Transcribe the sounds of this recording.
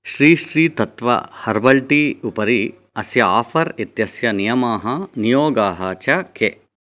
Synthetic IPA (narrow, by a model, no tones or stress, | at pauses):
ʃɾiːʃɾiːt̪ɐt̪ʋɐ̰hɐɾbɐlʈiupɐɾi | ɐsjɐa̰ːfʰɐɾit̪jɐsjɐnijɐmaːɦɐnijoːɡaːɦɐt͡ʃɐke